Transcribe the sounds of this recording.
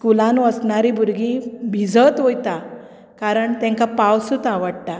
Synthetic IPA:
skulãnʋəsɳaɾibuɾɡibʱid͡zət̪ʋojt̪a | kaɾəɳt̪ɛ̃ŋkapawsut̪aʋəɽt̪a

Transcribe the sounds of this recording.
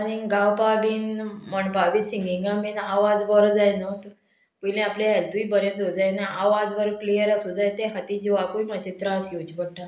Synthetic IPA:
aniɡãwpabinməɳpabinsiŋɡĩɡãminaʋad͡zbəɾd͡zajnət̪ | pəjlẽapleɦelt̪uʋibəɾẽnd̪od͡zajnaʔaʋad͡zʋəɾklijəɾasud͡zajt̪ẽɦat̪id͡ʑiʋakuiməɕit̪ɾasit͡ɕbəʈʰːa

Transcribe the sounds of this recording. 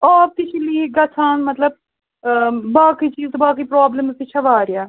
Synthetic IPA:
ɔːt̪ɪt͡ʃʰiliɡɐt͡ʃʰãːnmət̪ləb̚ | baːkiːt͡ʃiːzt̪obaːkiːpɾoːbləmzt̪ɪt͡ʃʰaʋaːɾɪjaː

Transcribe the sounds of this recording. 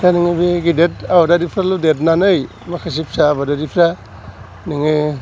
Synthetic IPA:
daniŋɯbiɡidetabadaɾipʰɾaludet̬nanɯj | makʰas̬ipsaːbadaɾipʰɾa | niŋɯ

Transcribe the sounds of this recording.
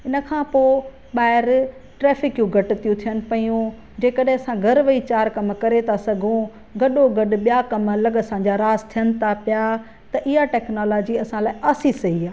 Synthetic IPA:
ɪnə̆kʰãːpoː | ɓaːɦɪɾ | ʈɾɛːfɪkjũɡʱɐʈɪt̪ijũt̪ʰijənɪ̆pɐjũ | d͡ʑeːkəɗɦɪ̃ɐsãɡʱɐɾʋɐit͡ɕaːɾkɐmkɐɾet̪ʰasɐɡʱũ | ɡɐɗoɡɐɗ̆ɓijakɐmlɐɡəsãːd͡ʑaɾaːzt̪ʰijənɪ̆t̪ʰapɪja | t̪ɐʔɪɦaʈɛːknoːlaːd͡ʑiɐsãlaːɪʔaːsisɐɦiaː

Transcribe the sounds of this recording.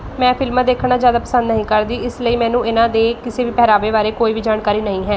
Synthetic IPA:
mɛ̃ːpʰɪlmãːd̪eːkʰɳaːd͡ʒjaːd̪aːpəsə̃nd̪nəɦĩːkəɾd̪iːɪsləiːmɛ̃ːnũːɪnãːd̪eːkɪseːʋiːpɛːɾaːʋeːʋaːɾeːkoːiːbʱiːd͡ʒaːnkaːɾiːnəɦĩːɦɛː

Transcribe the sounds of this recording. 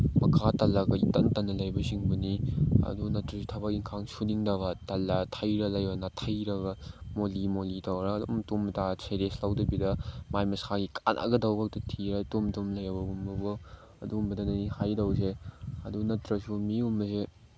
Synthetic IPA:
mɐkʰatɐlːɐɡɐḭtɐntɐnːɐlɐjbɐsiŋbɐniɐ̰dunɐtɾɐsutʰɐbɐk̚iŋkʰaŋsuniŋdɐɡɐtɐlːɐtʰɐjɾɐlɐjbɐnatʰɐjɾɐɡɐmolimolitɐwɾɐdomtomtasejɾeslawdɐbidɐmajmɐsaɡikʰanʔa̰ɡɐdɐwbɐk̚tɐtʰiɾatomtomlɐjɐbɐumbɐbɐ | ɐdumbɐdɐnɐnihajdɐws̬eɐdunɐtɾɐsumiumːɐse

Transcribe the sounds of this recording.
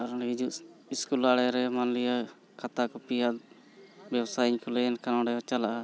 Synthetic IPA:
aɾɔnɦid͡ʒuʔiskulaɽɛɾɛmanlija | kat̪akɔpijad̪ | bjɛbsajɲkɔlɛɛnkanɔ̃ɽɛɔt͡ʃalaʔa

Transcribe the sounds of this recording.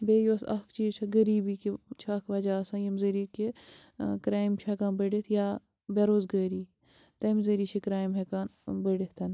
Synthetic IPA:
beːjoːsɐ̰kʰt͡ʃiːzt͡ʃʰɐɡɐɾiːbikit͡ʃʰɐkʰʋɐd͡ʒaːsɐ̃jɐmzəɾike | kɾaːimt͡ʃʰɐkaːnbəɖet̪ʰja | bɐɾoːzɡəːɾiː | t̪ɐmzəɾiːt͡ʃʰekɾaːjmɦekaːnbəɖit̪ʰɐn

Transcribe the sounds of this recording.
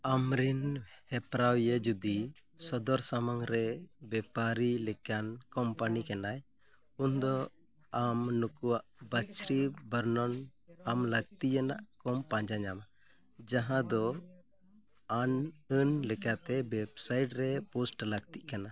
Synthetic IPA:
amɾinhɛpɾawjɛd͡ʒud̪i | sɔd̪ɔɾsamaŋɾɛbɛpaɾilɛkankɔmpanikanaj | und̪ɔ | amnukuwaʔbat͡ʃɾibəɾnɔnamləɡ̚t̪ijanaʔkɔmpãd͡ʒaɲama | d͡ʒaɦãd̪ɔ | anənlɛkat̪ɛbɛbsajʈɾɛpusʈləɡt̪iʔkana

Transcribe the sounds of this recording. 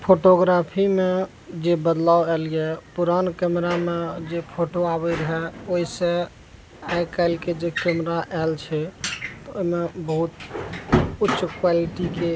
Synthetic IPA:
pʰoʈoɡɾapʰime | d͡ʒebəd̪lawɛlijɛpuɾankɛmɾamed͡ʒepʰoʈoabəɾəɦɛoisẽ | ajkaɪlked͡ʒekɛmɾaʔɛlt͡ʃʰɛt̪oimebəɦut̪ | utːʃkwaliʈike

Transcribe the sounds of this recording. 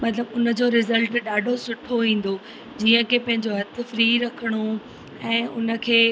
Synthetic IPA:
mɐt̪ləbʊnə̆d͡ʑoːɾɪzəlʈɗaːɖʱosʊʈʰoʋĩːn̆d̪o | d͡ʑiːə̃kʰepɐ̃ɦɪ̃ɲd͡ʑoɦɐt̪̆ʰfɾiːɾɐkʰəɽ̃o | ɛ̃ːʊ̰nə̆kʰeː

